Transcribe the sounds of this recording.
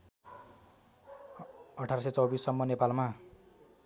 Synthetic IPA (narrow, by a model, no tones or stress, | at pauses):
ʌʈʰaɾʌs̬ʌjt͡sʌwbisːʌmːʌnepalma